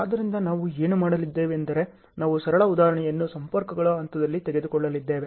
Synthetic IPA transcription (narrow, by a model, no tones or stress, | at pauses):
aːd̪ɐɾind̪ɐnaːʋue̞ːnumaːɽɐlid̪ːe̞ːʋeːnd̪ɐɾe̞ | naːʋusɐɾɐɭɐud̪aːɾɐɳɛjɐnːusɐmpɐɾkɐɡɐɭɐɐnt̪ɐd̪ɐlːit̪ɛɡe̞d̪ukɔɭːɐlid̪ːe̞ːʋe